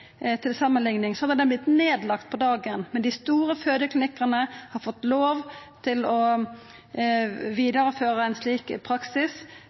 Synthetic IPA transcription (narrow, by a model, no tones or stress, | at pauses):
t̪ʰɪlsɑmːənlɪŋnɪŋsɔhɑd̪əd̪ɛnblɪt̪neːd̪lɑkt̪̚pʰɔd̪ɑːɡənmɛnd̪ɪst̪uːɾəføːd̪əklɪnɪkəʁnəhɑɾfɔt̪ːloːʋt̪ʰɪlɔ | ʋiːd̪ɑɾəføːɾəæɪnsliːkpʰɾɑksɪs